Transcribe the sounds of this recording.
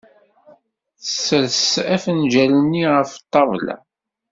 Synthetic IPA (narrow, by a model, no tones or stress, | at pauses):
θəsːəɾsæfnʒælənːiʁəft̪ˤːɑvlæ̰